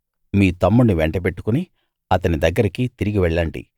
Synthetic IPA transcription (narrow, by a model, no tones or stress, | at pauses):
miːt̪ɐmːuniʋɛɳʈɐpe̞ʈːu̥kuni | ɐt̪ɐnid̪ɐɡːɐɾikit̪iɾiɡiʋɛɭːɐɳʈḭ